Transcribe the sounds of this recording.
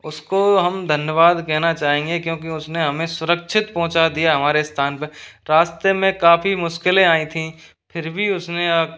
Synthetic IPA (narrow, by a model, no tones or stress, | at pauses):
ʊskoɦɐmd̪ʱɐnjəʋaːd̪kɛɦnat͡ʃaːɦẽːŋɡekjõːk̬iʊsneɦɐmẽsʊɾəkʃʰɪt̪pɐ̃ɦʊ̃t͡ʃad̪ijaɦɐmaːɾest̪ʰaːnpeɾaːst̪emẽkaːfimʊʃkɪlẽaːĩt̪ʰĩ | pʰɪɾbʱiʊsne